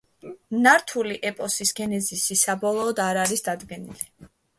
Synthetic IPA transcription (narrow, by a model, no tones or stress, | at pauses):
naɾt̪ʰuliʔɛpʼɔsisɡɛnɛzisisabɔlˠɔːd̪aɾaɾisd̪ad̪ɡɛnḭli